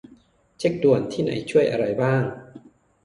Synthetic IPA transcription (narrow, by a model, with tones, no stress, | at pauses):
t͡ɕʰe˦˥k̚du˨˩ənt̪ʰiː˥˩na̰˨˩˦jt͡ɕʰu˥˩əjʔa˧ɾa˧jbaː˥˩ŋ